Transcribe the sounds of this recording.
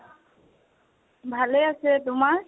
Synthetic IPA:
bʱaleasɛtʊmaɹ

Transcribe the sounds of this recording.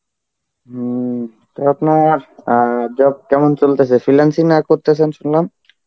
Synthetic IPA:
t̪oapnaɾd͡ʑɔb̚kɛmont͡ɕolt̪esʰefilansinakoɾt̪esʰenʃunlam

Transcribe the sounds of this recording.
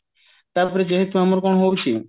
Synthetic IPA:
t̪aɾpɔɾed͡ʒeɦet̪uɦamoɾkonoɦowt͡ʃʰi

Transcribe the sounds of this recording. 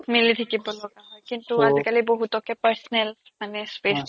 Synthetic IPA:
militʰikibɔlɔɡaɦɔjkintuazikaliboɦutɔkɛpɛɹsɔnɛl | manɛspes

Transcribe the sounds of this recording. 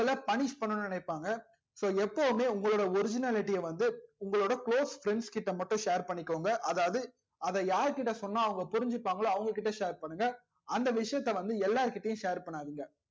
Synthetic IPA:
ɐɭɐpɐɳɪt͡ʃpɐɳːɯnnɪnɐɪpːaːŋɡɐ | soːɛpːoʋɯmeːʊŋɡɐɭoːɽɐɔɾɪd͡ʒɪnaːlɪʈːɪjɐʋɐnd̪ɯʊŋɡɐɭoːɽɐkɭoːsfɾɛɳɖskɪʈːɐmɐʈːʊ̃ʂeːɾpɐɳːɪkːoːŋɡɐʔɐðaːʋɐðɯ | ɐðɛjaːɾɯkɪʈːɐsɔnːaːɐʋɐŋɡɐpʊɾɪɲd͡ʒɪpːaːŋɡɐɭːɐʋɐŋɡɐkɪʈːɐʂeːɾpɐɳːɯŋɡɐ | ɐnd̪ɐʋɪʂɐjɐt̪ːɐʋɐnd̪ɯɛlːaːɾɯkɪʈːɐjʊ̃ʂeːɾpɐɳːaːðɯŋɡɐ

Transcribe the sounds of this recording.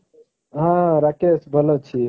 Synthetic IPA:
ɦãɾakesbʱəlot͡ʃʰi

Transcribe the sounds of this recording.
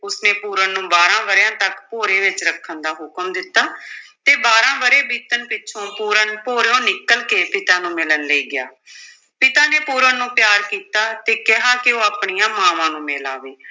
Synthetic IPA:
ʊsnẽːpuːɾənːũːbaːɾãːʋəɾjãːt̪əkpoːɾeːʋɪt͡ʃɾəkʰːənd̪aːɦʊkəmd̪ɪt̪ːaːt̪eːbaːɾãːʋəɾeːbiːt̪ənpɪtːʃʰõːpuːɾənpoːɾõːnɪkːəlkeːpɪt̪ãːnũːmɪlənleiːɡɪaː | pɪt̪aːneːpuːɾənːũːpjaːɾkiːt̪aːt̪eːkɪɦaːkɪoːaːpɳijãːmaːʋãːnũːmeːlaːʋeː

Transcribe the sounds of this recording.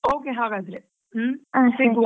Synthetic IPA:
oːkeɦaːɡaːd̪ɾe | ãsiɡ

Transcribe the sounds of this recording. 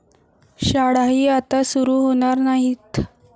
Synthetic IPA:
ɕaɽaɦiːat̪asuɾuːɦoɽ̃aɾnaɦiːt̪

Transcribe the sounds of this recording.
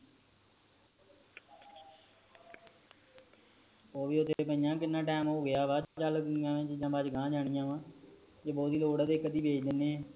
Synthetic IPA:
oːʋiːʊt̪ʰepəijãːkɪnːãːʈɛːmoːɡɪjaːʋaːd͡ʒaːt͡ʃəlknɪjãːʋɪ̃t͡ʃd͡ʒãːbaːd͡ʒɡãːd͡ʒaːɽ̃ɪjãːʋãː | d͡ʒeːbɔːt̪iːloːɽaːd̪eːkəd̪iːbʱeːd͡ʒd̪ɪnẽː

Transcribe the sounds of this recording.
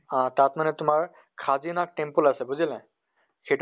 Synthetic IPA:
ãtatmanɛtʊmaɹ | kʰazinak̚ʈempulasɛbuzilɛ̃ | xejt

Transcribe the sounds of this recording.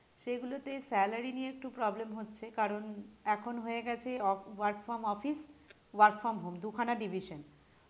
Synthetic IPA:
ʃeɡulot̪esɛlaɾinieek̚ʈupɾɔblemɦotːɕʰekaɾonɛkʰonɦoeɡɛt͡ɕʰeɔwaɾkfɔɾmɔfis | waɾkfɔmɦomd̪ukʰanaɖibʱiʃon

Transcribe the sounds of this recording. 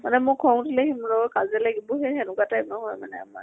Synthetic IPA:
manɛmʊkʰɔŋtilehimɹɔkazɛlaɡibɔɦɛɦɛnʊkatajmɔɦɔjmanɛ̰a̰ma̰ɹ

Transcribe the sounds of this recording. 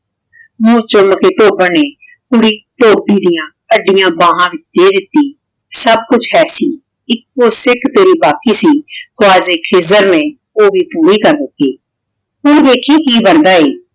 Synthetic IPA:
mũːt͡ʃʊmkeːt̪oːbãnẽː | pʊɽiːt̪oːbiːd̪ɪjãː | əɖɪjãːbãːɦãːʋɪt͡ʃd̪eːd̪ɪt̪ːiː | səb̚kʊt͡ʃʰɦɛːsiː | ɪkːoːsɪkt̪eːɾiːbaːkiːsiːkʊaːzeːkʰeːzəɾnẽː | oːbʱiːpuːɾiːkəɾd̪ɪt̪eː | ʊnd̪eːkʰeːkiːbəɾd̪aːeː

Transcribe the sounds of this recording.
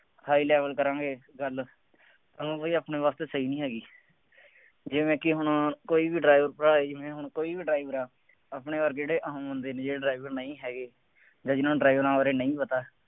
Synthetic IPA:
haːiːlɛːʋəlkəɾãːɡeːɡəl | t̪ənõːboiːaːpneːʋaːst̪eːsəiːnĩːɦɛːɡiː | d͡ʒeːmɛ̃ːkɪɦʊnkoːiːbiːɖɾaːiʋəɾpɾaːed͡ʒɪmɛ̃ːɦʊɳ̃koːiːbiːɖɾaːɪʋəɾaː | aːpɳẽːaːɾkeːɽeːʔəɦõːɦə̃nd̪eːnẽːd͡ʒeːɖɾaːiʋəɾnəĩːɦɛːɡeː | d͡ʒãːd͡ʒɪnõːɖɾaːiʋɾãːɾeːnəĩːpət̪aː

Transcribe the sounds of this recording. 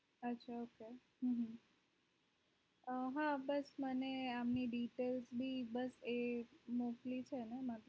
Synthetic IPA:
ətːʃʰaoke | ɦɦ | əɦabəsməneamniɖiʈelsbʱibəsemoklit͡ʃʰenemat̪

